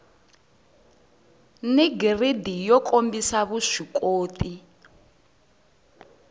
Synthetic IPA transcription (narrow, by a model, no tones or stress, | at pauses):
niɡiridijɔkʰʼombisaβuʂikʼoːt̪ʰʼi